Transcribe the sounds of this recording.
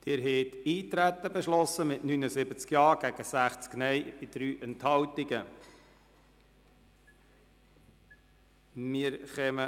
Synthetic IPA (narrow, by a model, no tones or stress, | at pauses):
d̥ɪɾɦɛːt̪iːt̪ɾæt̪ːəbeʃlɔsəmɪtnynəsɪbət͡skjɑːɾɡ̥æɡ̥əsæχt͡sknɛjb̥ɪd̪̥ɾyːʔɛnthɑwtɪɡə | mɪəɾχɛmə